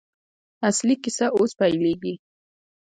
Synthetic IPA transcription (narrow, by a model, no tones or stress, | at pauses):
aslɪkɪsaʔʊspajlɪkɪ